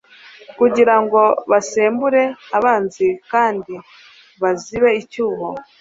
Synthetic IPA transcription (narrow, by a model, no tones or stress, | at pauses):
kuɟiɾaŋɡo̞βaseːmbuɾe̞aβaːnzikaːndi | βaziβe̞icuːβo